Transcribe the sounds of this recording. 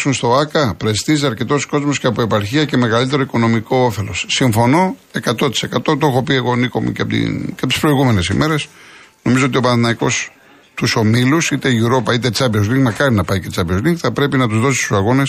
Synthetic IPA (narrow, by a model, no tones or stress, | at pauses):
sunst̪o̞ɐkɐpɾest̪iziɐɾce̞t̪o̞sko̞zmo̞sceɐpoepɐɾçiɐce̞me̞ɣɐlit̪e̞ɾo̞iko̞no̞miko̞ofe̞lo̞ssiɱfo̞no̞e̞kɐt̪o̞t̪i̥se̞kɐt̪o̞t̪o̞xo̞pie̞ɣo̞niko̞mṵceɐpteɐpt̪i̥spɾo̞iɣume̞ne̞simʔe̞ɾe̞sno̞mizo̞ot̪io̞pɐnθinɐiko̞̰s | t̪uso̞milusit̪e̞ʝuɾo̞pɐit̪e̞t͡sɐbiozliŋkmɐkɐɾinɐpɐicet͡sɐpiozliŋkθɐpɾe̞pinɐt̪uzðo̞si̥st̪u̥sɐɣo̞ne̞s